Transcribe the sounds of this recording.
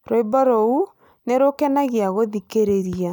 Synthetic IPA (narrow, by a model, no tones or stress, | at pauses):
ɾoibɔɾou | neɾokɛnaɣiaɣoðikeɾeɾia